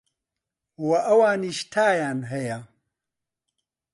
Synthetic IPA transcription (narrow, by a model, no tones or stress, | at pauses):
wɐʔɐwaːniʃt̪ʰaːjaːnɦɐja